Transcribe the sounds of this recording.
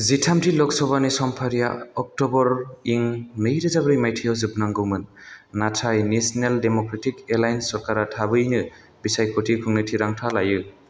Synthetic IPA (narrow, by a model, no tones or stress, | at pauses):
zitʰamtʰilɔksɔβanisɔmpʰaɾija̰ɔk̚tɔbɔɾiŋnɯjɾɯzabɾijmajtʰijɔwzɯbnaŋɡɯwmɯnːatʰajnesneldemɔkɾetʰikelajnsɔɾkaɾatʰabɯjnɯ | bisajkʰɔtʰikʰɯŋnɯtʰiɾaŋtʰalajɯ